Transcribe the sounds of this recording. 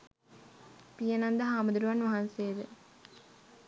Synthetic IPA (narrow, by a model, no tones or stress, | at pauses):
pijənand̪əɦaːməd̪uɾuʋanʋaɦansejəd̪ə